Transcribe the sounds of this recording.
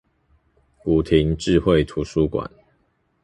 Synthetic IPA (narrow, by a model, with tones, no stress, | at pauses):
u˨˩t̪ʰi˨˦ŋʈ͡ʂɻ̩˥˧xwe˥˨ɪt̪ʰu˨˦su˦kwa̰˨˩˦n